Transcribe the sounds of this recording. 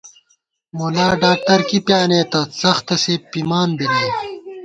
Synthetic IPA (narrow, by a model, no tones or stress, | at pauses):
molaːɖaːk̚ʈɐɾkipjaːneːt̪ɐsɐxt̪ɐseːpimaːnbineː